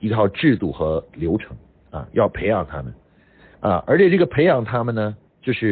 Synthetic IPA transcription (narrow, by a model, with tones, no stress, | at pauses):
i˧˥t̪ʰɑ˥˧ʊʈ͡ʂɻ̩˥˧t̪u˥˩xɤ˧˥ljo˧˥ʊʈ͡ʂʰɤ˧˥ŋ | ɐ̰˧jɑ˥˩ʊpʰe˧˥ɪjɑ˨˩ŋt̪ʰa˥mə̰˨˩n | ɐ̰˧ʔə̰˞˧˥t͡ɕʰjɛ˨˩ʈ͡ʂɤ˥˩ɡə˩pʰe˧˥ɪjɑ˨˩ŋt̪ʰa˥mə˨nnə˩ | t͡ɕjo˥˧ʊʂɻ̩˥˩